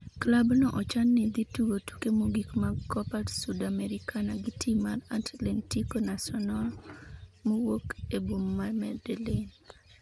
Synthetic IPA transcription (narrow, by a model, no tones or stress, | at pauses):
klabnɔʔɔt͡ʃanːɪd̪ituɡotu̥kemoɡikmakɔpatsudamɛɾikʰanaɡitʰimaratlentikonasɔnal | mowokebomːamɛdelen